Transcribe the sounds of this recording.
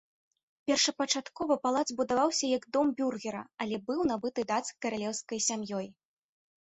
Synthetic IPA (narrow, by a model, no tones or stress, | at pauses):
pʲɛrʂɐpɐt͡ʂat̪kɔvɐpalˠad̪zbud̪avawsʲɐjɐɡd̪ɔmbʲurɣʲɛɾɐ̰ɐlʲɛbɨwn̪abɨt̪ɨd̪at̪skɐɾalʲɛwskɐjsʲamjɔj